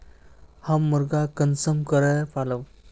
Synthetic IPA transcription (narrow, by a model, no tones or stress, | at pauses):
hamːəɾɡakənsəmkəɾəjpaləw